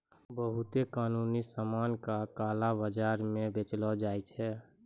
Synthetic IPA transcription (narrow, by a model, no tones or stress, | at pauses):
bəɦʊt̪ekaːnuːnisamaːnkakaːlabəd͡ʒaːɾmẽbet͡ʃlɔd͡ʒaːjt͡ʃʰɛː